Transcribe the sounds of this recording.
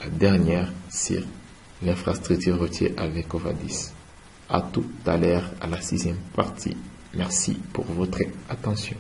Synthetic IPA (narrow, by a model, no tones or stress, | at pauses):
lad̪ɛʁnjɛʁsy̰ʁ | lɛ̃fχast̪χyk̚t̪yʁːət̪jḛʔavɛkɔva̰d̪is | a̰t̪ut̪alœʁa̰lasizjɛmpaʁt̪ʰḭ | mɛʁsḭpṵʁvɔt̪χat̪ɑ̃sjɔ̰̃